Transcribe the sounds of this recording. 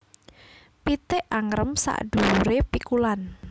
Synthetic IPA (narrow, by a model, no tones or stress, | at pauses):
pit̪eʔaŋɾəmsa̰ʔd̥uuɾepikulan